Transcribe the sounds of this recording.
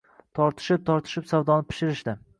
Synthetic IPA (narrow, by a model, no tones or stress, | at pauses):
t̪ʰɒɾt̪ʰɪ̥ʃɪp̚t̪ʰɒɾt̪ʰɪ̥ʃɪpsawd̪ɒnɪpʰɪ̥ʃɪɾɪʃd̪ɪ